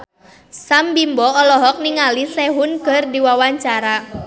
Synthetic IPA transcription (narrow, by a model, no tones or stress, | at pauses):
sambimbɔɔlɔɦɔk̚niŋalisɛɦʊnkərdiwawaɲt͡ʃaɾa